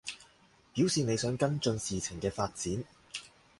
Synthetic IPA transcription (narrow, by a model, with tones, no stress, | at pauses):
piː˨˥wsiː˨ne˨˧jsœː˨˥ŋkɐ˥nt͡ʃɵ˧nsiː˨t͡sʰɪ˨˩ŋkɛː˧faː˧t̚t͡siː˨˥n